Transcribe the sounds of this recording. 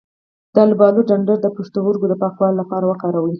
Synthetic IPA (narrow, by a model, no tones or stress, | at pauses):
d̪̥ɑlbɑluɖaɳɖaɾd̪əpuʂt̪oɣoɾɡod̪əpɑkwɑllːapɑɾawəkɑɾawəj